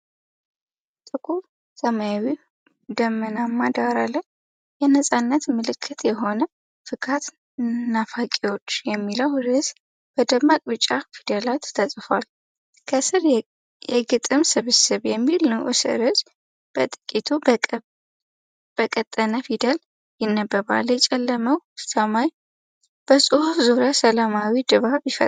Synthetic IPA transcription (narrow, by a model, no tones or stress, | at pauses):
t̪ʼɨkʰʼu | səmajawi | d̪əmːənamːad̪aɾaləj | jɛnəsʼanːət̪mɨlɨkʰːɨt̪ʰjɛɦo̞nə | fɨkʰat̪ | nafakʼewo̞t͡ʃːjɛmːiləwɾɨz | b̥əd̪əmakʼbɨt͡ʃʼːafid̪əlat̪ːʰəsʼfal | kʰəsɨɾ | jɛɡɨt̪ʼɨmsɨβɨsɨβjɛmːilnəwʔɨsɨ̰ɾɨz | b̥ə̰t̪ʼɨkʼit̪ʰu | b̥əkʼət̪ʼːənəfid̪əl | jɪnːəbːəβa̰ljɛt͡ʃʼɛlːəməwsəmaj | b̥əsʼɨhufzuɾjasəlamawid̪ɨβaβjɪfə